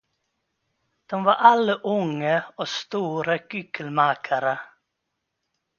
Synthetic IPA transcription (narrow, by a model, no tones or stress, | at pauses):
d̪̥ɔmvaɾʔalːəʔʊŋːəɔst̪uːɾəɡʏɡəlmaːkʰaɾə